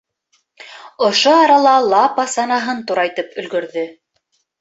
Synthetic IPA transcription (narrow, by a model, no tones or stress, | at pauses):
ŏʃoɑɾɑlˠɑlˠɑpɑsɑnɑɦɤnt̪uɾɑjt̪ɤpɵ̆lɡɵ̆ɾðɵ